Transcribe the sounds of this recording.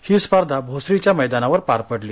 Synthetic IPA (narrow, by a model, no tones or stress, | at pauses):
hiːspaɾd̪ʱabʱosɾit͡ɕjaməjd̪anaʋəɾpaɾpəɽliː